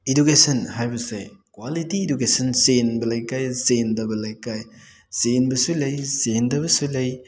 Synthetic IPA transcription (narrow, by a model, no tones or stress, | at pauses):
edukesɐnhajbɐsḛkwalitiedukesɐnsenbɐlɐjkajzendɐbɐlɐjkaj | senbɐsulɐjzendɐbɐsulɐj